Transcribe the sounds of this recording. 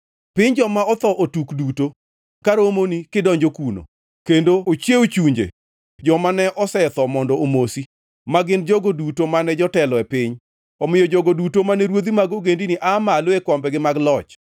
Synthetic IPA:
pɪɲd͡ʒɔmaɔt̪ɔʔotukduto | kaɾomonikɪdɔɲd͡ʒokuno̰ | kendoot͡ʃeot͡ʃuɲd͡ʒḛ | d͡ʒɔmanɛʔɔsɛt̪ɔmɔndɔomosi | maɡɪnd͡ʒoɡodutomanɛd͡ʒɔtɛlɔɛpɪɲ | ɔmɪjɔd͡ʒoɡodutomanɛɾwod̪imaɡoɡendinɪʔamaloekɔmbɛɡɪmaɡlɔt͡ʃ

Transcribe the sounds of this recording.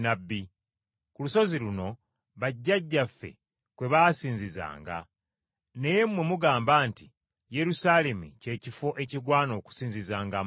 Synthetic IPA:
nabːi | kuluso̞ziluno̞ | βaɟːaɟːafːe̞̰ | kwe̞βaːsiːɲziza̰ːŋɡa̰ | ne̞jemmwe̞muɡaːmbaːnti | je̞ɾusaːle̞mṵce̞ːcifo̞ʔe̞ciɡwaːno̞ːku̥siːɲzizaːŋɡa

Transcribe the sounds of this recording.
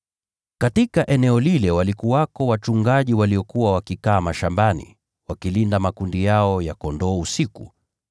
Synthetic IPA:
katikaʔɛnɛɔlilɛwalikuwakɔwat͡ʃuŋɡaʄiwaliɔkuwawakikaːmaʃambanḭ | wakilindamakundijaɔjakɔndɔːusikṵ

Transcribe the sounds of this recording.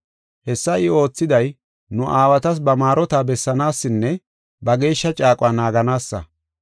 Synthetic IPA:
hɛsːɐɪo̞ːt͡sːɪd̪ɐj | nʊʔaːwɐt̪ɐs̬bɐmaːɾɔt̪abɛsːɐnaːsːɪnːɛ | bɐɡe̞ːʃːɐt͡ʃʼaːkʼʊaːnaːɡɐnaːsːɐ̰

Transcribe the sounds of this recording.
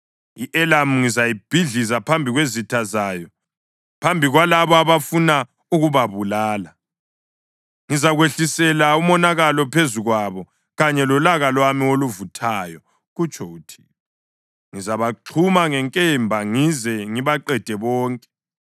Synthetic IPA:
iʔɛlam̩ŋizajib̥ʱiɮizapʰambʱiɣwezitʰazaːjɔ | pʰambʱiɣwalaβɔaβafuna | uɣuβaβulaːla | ŋizaɣweɬisɛlaumɔnaɣalɔpʰezuɣwaβɔ | ɣaɲɛlɔlaɣalwamioluvutʰaːjɔ | ɣut͡ʃʼʰɔutʰi̥ | ŋizaβaǃʰumaŋɛŋkʼɛmbʱaŋizɛŋiβaǃɛd̥ʱɛβɔːŋkʼɛ̥

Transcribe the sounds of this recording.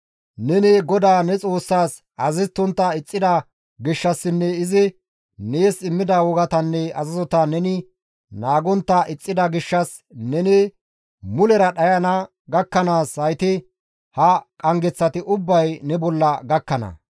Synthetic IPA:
nɛnɛɡɔd̪aːnɛt͡sʼo̞ːsːaːs | ɐzɪt̪ːʊnt̪ːɐɪt͡sʼːɪd̪ɐ | ɡɪʃːɐsːɪnːɛɪzɪ | neːsɪmːɪd̪ɐwɔɡɐt̪ɐnːɛɐzɐzɔt̪ɐnɛnɪ | naːɡɔnt̪ːɐʔɪt͡sʼːɪd̪ɐɡɪʃːɐs | nɛne | mʊlɛɾɐɗɐjɐnɐ | ɡɐkːɐnaːshɐjt̪ɪ | hɐkʼɐŋɡɛt͡sːɐt̪ɪʔʊbːɐjnɛbɔlːɐɡɐkːɐnɐ̰

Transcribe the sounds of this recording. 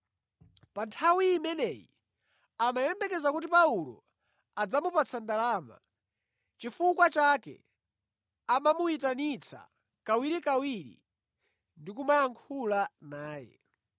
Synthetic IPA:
pantʰawiːmɛnɛjḭ | amajɛmbɛkɛzakutipaulɔ̰ | ad͡zamupat͡sʰandalaːma̰ | t͡ʃifukwat͡ʃakɛ̰ | amamuitanit͡sʰa̰ | kawiɾikawiɾḭ | ndikumajaŋkʰulanaːjɛ̰

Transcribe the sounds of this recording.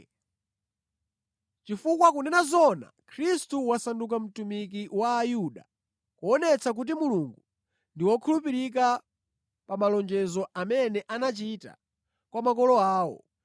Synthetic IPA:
t͡ʃifukwakunɛnazɔna̰kʰɾistuwasanduk̬am̩tumikiwaːjuɗa̰ | kuɔnɛt͡sʰak̬ut̬imuluŋɡu | ndiwɔkʰulupiɾik̬a | pamalɔnd͡ʒɛzɔamɛnɛʔanat͡ʃita̰ | kwamak̬ɔlɔaːwɔ̰

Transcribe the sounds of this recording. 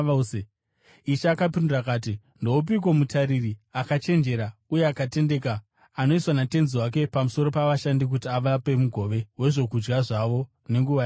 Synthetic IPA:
iʃaːkapindurakaːt̬i | ndoup̬ik̬omutaɾiriakat͡ʃe̞nd͡ʒe̞ɾaujeakate̞nde̞kaː | no̞iswanate̞nziwak̬e̞pamuso̞ɾo̞paʋaʃandik̬utiaʋape̞muɡʱo̞ʋeɦwe̞ʐo̞kud͡ʒɡaʐaʋo̞ | ne̞ŋɡuʋai

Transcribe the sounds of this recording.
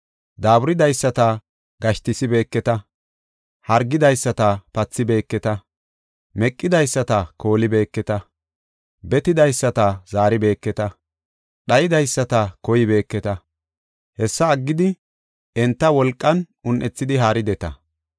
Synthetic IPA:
d̪aːbʊɾɪd̪ɐjsːɐt̪ɐ | ɡɐʃt̪ɪsɪbe̞ːkːɛt̪ɐ | hɐɾɡːɪd̪ɐjsːɐt̪ɐpɐt͡sːɪbe̞ːkːɛt̪ɐ | mɛkʼːɪd̪ɐjsːɐt̪ɐko̞ːlɪbe̞ːkːɛt̪ɐ | bɛt̪ɪd̪ɐjsːɐt̪ɐzaːɾɪbe̞ːkːɛt̪ɐ | ɗɐjɪd̪ɐjsːɐt̪ɐkɔjɪbe̞ːkːɛt̪ɐ | hɛsːɐːɡːɪd̪ɪ | ɛnt̪ːɐwɔlkʼːɐn | ʊnʔɛt͡sːɪd̪ɪɦaːɾɪd̪ɛt̪ɐ̰

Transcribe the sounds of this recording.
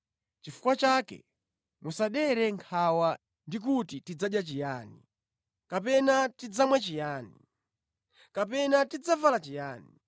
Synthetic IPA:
t͡ʃifu̥kwat͡ʃakɛ̰ | musaɗɛɾɛŋkʰawa | ndik̬utitid͡zaɗjat͡ʃijaːni | kapɛnatid͡zamwɛt͡ʃijaːnḭ | kapɛnatid͡zavalat͡ʃijaːni

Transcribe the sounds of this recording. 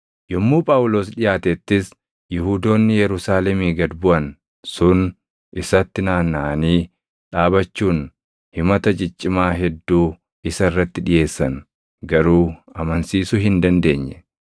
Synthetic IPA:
jɔmːuːpʼaːwʊlo̞ːsᶑɪjaːt̪ɛt̪ːɪs | jɪhuːd̪o̞ːnːɪjɛɾʊsaːlɛmiːɡɐd̪bʊʔɐn | sʊn | ʔɪsɐt̪ːɪnaːnːaʔɐniː | ᶑaːbɐt͡ʃːuːn | hɪmɐt̪ɐd͡ʒɪt͡ʃʼːɪmaːɦɛd̪ːuː | ɪsɐɪrːɐt̪ːɪᶑɪje̞ːsːɐn | ɡɐɾuːɐmɐnsiːsʊhɪnd̪ɐnd̪e̞ːɲːɛ

